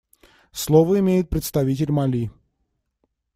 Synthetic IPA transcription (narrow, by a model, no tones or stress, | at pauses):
slˠovəɪmʲejɪt̪̚pɾʲɪt̪st̪ɐvʲit̬ʲɪlʲmalʲi